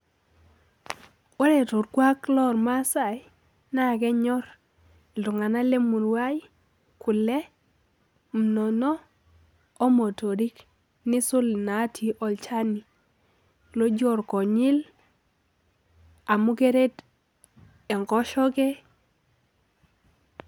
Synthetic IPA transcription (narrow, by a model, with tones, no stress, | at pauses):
wɔ˦ɾɛ˨tʊ˨ɾkwa˦klɔ˦˨ɾma˦sa˨j | na˦˨kɛ˦ɲɔ˦ɾ | ldʊ˨ŋa˨na˦le˦mu˨nwa˦j | kʊ˨lɛ˦ | m̩˨nɔ˨nɔ˦ | o˦mo˨to˨ɾi˦k | nɪ˦sʊ˦lna˨˦tʰi˨ʔɔ˨lt͡ʃa˦ni˨ | lo˦d͡ʒɔ˦˨ɾkɔ˨ɲɪ˦l | a˨mu˦ke˦ɾe˦t | ɛ˨ŋɡɔ˦ʃɔ˦kɛ˦